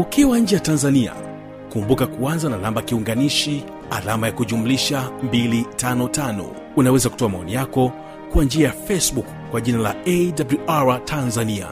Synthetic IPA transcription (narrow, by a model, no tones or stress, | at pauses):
ukiwaɲ̩d͡ʒɛjatanzania̰ | kumbukakuanzanalambakiuŋɡaniʃi | a̰lamajakuʄumuliʃambilitanɔtanɔ̰ | unawɛzaku̥tɔamaɔnijakɔ | kwand͡ʒiajafɛsbuk | kːwaʄinala̰ɛdabluʔaɹatʰanzania̰